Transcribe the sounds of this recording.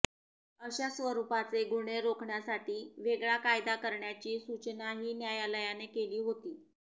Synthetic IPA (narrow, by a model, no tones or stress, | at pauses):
əɕasʋəɾupat͡seɡuɳeɾokʰɳjasaʈʰiːʋeɡɭjakajd̪akəɾɳjat͡ɕiːsut͡ɕnaɦiːnjajaləjanekeliːɦot̪iː